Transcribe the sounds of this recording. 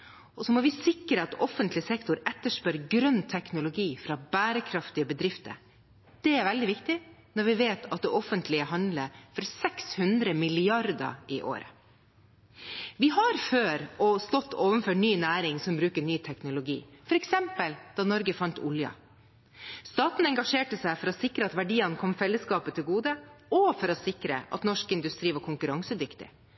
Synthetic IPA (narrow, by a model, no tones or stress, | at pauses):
ʔɔsɔmɔʋɪsɪkɾəɑt̪ɔfənt̪lɪsɛkt̪ʊɾɛt̪ːəʂpœɾɡɾœnt̪ʰɛknʊlʊɡiːfɾɑbæːɾəkʰɾɑft̪ɪəbəd̪ɾɪft̪ə̰ɾ | d̪̥ɛæɾʋɛld̪ɪʋɪkt̪ɪnɔɾʋɪʋeːt̪ɑt̪̚d̪ɛʔɔfənt̪ʰlɪəɦɑnd̪ləfɔɾsɛkshʉnd̪ɾəmɪlɪɑɾd̪ə̰ɪʔo̰ːɾə̰ | ʋɪɦɑɾføːɾɔst̪ɔt̪ːoːʋənføːʈnyːnæːɾɪŋsɔmbɾʉːkəɳyːt̪ʰɛknʊlʊɡḭːfɔɾɛksɛmpəld̪̥ɑːnɔɾɡəfɑnt̪ʰʊ̰ljɑ̰ | st̪ɑːt̪n̩ɛŋɡɑʂeːʈəsæɪfɔɾɔsɪkɾəɑt̪ʋæɖiːɑnkʰɔmfɛlːəskɑːpət̪ʰɪlɡuːd̪əɔfɔɾɔsɪkɾə̰ʔɑ̰t̪nɔʂkɪnd̪ʉst̪ɾiːʋɑɾkʰʊŋkʉɾɑŋsəd̪ʏkt̪ɪ̰